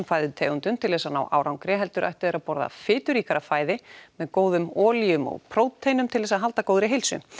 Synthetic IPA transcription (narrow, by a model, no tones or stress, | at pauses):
mfaːjðʏt̪ʰeːɣʏnt̪ʏmt̪ʰɪlðɛːsana̰wʔa̰ːwɾawŋkɾɛɦɛlt̪ʏɾʔa̰jht̪ʏðeːɾapɔɾða̰fɪːt̪ʏɾiːkaɾafaːjðɪmɛðkoːwðʏmɔːlijʏmɔ̰ɣpʰɾowt̪t̪ʰːejnʏmt̪ʰɪlðɛsaðɦalt̪akowðɾɪɦejlsʏ̰